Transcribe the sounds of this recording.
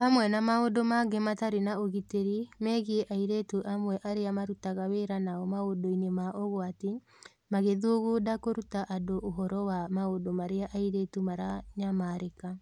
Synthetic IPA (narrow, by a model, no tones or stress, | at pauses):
amwɛnamaodomaɡemataɾenaoɣiteɾimɛːɣieʔaiɾetuʔamwɛʔaɾeamaɾutaɣaweːɾanaɔmaodoinemaʔoɣɔate | maɣeðuoɣodakoɾutaʔadoʔoɦɔɾɔwamaodomaɾeaʔaiɾetumaɾaɲamaːɾeka